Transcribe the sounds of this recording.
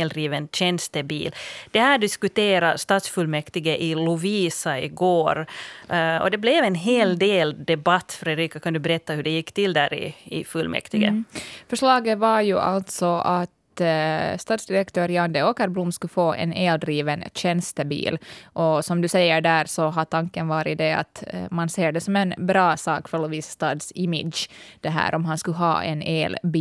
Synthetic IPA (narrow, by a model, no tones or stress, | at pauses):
ld̪ɾiːʋənɕɛnst̪əbḭːld̪̥ɛhæːɖɪskʉt̪eːɾɑst̪ɑːt̪sfʉlmɛkt̪ɪɡəʔɪlʊviːsaɪɡoːɾ | ɔ̰d̪ɛblɛvɛnɦeːld̪eːld̪ɛbɑt̪ːfɾɛd̪ɾiːkakʰand̪ʉbɛɾɛt̪ːɑhʉɖɛjɪkːt̪ɪld̪æːɾɪ̰ɪfʉlmʔɛ̰kt̪ɪɡə̰fœʂɭɑːɡəʋɑɾjʉʔɑ̰lt̪sɔʔɑt̪ | st̪ɑːd̪sd̪ɪɾɛkt̪ʰøːɾjɑnd̪ɛoːkɑɾblʊmskʉfoːʔɛ̰neːld̪ɾiːvənɕɛnst̪əbḭːlʔɔsɔmd̪ʉsɛjːəɖæːɾsɔɦɑt̪ʰɑŋkːənvɑːɾɪd̪ɛɑ̰t̪mɑnseːɖɛsɔmɛnbɾɑːsɑːkfœɭɔʋiːsst̪ɑːd̪sɪmɪ̰d̪ʃd̪̥ɛɦæ̰ːɾʔɔmɦɑnskʉɦɑ̰ːʔɛ̰neːlbi